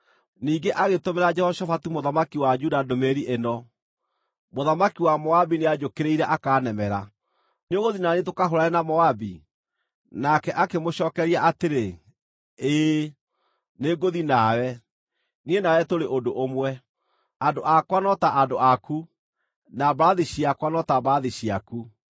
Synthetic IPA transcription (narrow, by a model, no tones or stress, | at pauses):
niːɡeʔaɣetomeɾad͡ʒɛhɔʃafatumoðamakiwad͡ʒudadomeɾiʔenɔ | moðamakiwamɔabinead͡ʒokeɾeiɾɛʔakaːnɛmɛɾa | neoɣoðinanet̬okaɦoɾaɛnamɔabi | nakɛʔakemoɕɔːkɛɾiaʔateɾe | eː | neɡoðinawɛ | nienawɛtoɾeʔodoʔomwɛ | adoʔakwanɔtaʔadoʔaku | nabaaðiɕiakwanɔtabaaðiɕiaku